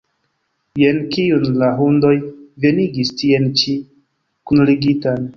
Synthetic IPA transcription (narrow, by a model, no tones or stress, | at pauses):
jenkiunlaɦundo̞jve̞niɡistient͡ʃi | kunliɡitan